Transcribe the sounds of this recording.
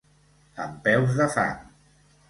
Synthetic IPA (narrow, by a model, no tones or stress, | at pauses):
əmpɛwzðəfa̰ŋ